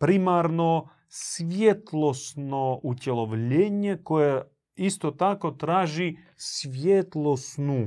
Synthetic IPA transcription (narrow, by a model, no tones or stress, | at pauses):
pɾimaɾno | sʋjet̪lˠosnoutʲɛlˠoʋlʲeɲekoje | ist̪ot̪akot̪ɾaːʒi | sʋjet̪lˠosnu